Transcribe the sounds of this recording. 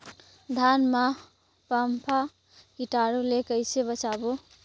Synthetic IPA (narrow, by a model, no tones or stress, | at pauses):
d̪ʱanma | pampʰa | kiʈaɾulekəɪsebət͡ʃabo